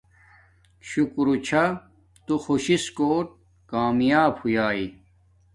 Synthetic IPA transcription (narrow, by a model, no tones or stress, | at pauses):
ɕukɾut͡ɕʰa | t̪uxoɕiskoːʈ̚ | kaːmjaːbhujaːi